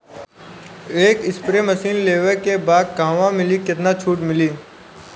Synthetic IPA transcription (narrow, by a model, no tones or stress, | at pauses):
eːkɪspɾemɐsiːnleːʋekebaːd̪̚kãːʋãmɪlikɪt̪nat͡ʃʰuːʈmɪliː